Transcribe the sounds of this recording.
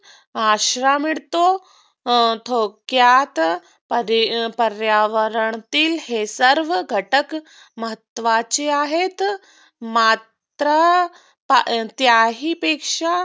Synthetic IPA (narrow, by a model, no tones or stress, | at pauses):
aːʃɾaːmiɽt̪o | t̪ʰoːkjaːt̪ | pɾpɐɾjaːʋəɾəɳt̪ilheːsɐɾʋɡʱɐʈək | mɐɦət̪ːʋaːt͡ʃiaːɦeːt̪ | maːt̪ɾa | pt̪jaːɦipeːkʂa